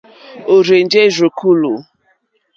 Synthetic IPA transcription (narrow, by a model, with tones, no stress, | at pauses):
o˨ɾe˨n̩˦d͡ʒe˦zo˨ku˦lu˨